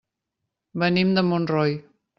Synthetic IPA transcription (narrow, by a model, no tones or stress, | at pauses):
bənimd̪əmonrɔj